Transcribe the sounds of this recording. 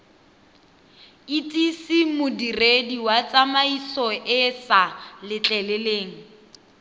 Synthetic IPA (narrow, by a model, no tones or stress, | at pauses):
itʼisimʊdirediwat͡sʼamaisɔʔɪsalɪt͡ɬʼɛlɛleːŋ̩